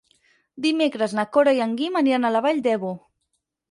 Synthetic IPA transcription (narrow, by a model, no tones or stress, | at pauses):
d̪imekɾəznakoɾaiaŋɡimənianalaβaʎd̪ɛβo